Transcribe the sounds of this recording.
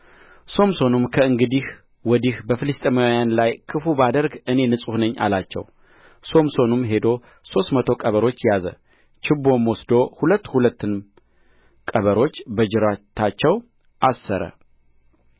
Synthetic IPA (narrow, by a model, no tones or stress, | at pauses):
so̞mso̞numkʰəɨŋɡɨd̪ih | wɔd̪ihbəfɨlɨst̪ʼemajanlajkʰɨfubad̪əɾɡɨne̞nɨsʼuhnəɲːʔa̰lat͡ʃːɛ̰w | so̞mso̞numɦe̞d̪o̞ | so̞st̪mət̪ʰo̞kʼəβəɾo̞t͡ʃːjazə̰ | t͡ʃʰɪbːo̞mwɔsd̪o̞hulət̪ːhulət̪ːɨn | kʼəβəɾo̞t͡ʃːbəd͡ʒɪɾat̪ʰat͡ʃːɛw | ʔasːəɾə̰